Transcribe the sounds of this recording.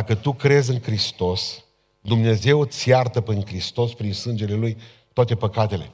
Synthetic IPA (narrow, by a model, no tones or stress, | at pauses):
akət̪ukɾe̞zʲɨŋkɾist̪o̞s | d̪umne̞ze̞wsjart̪əpiŋkɾist̪o̞spɾinsɨnd͡ʒe̞le̞luj | t̪oat̪e̞pəkat̪e̞le̞̰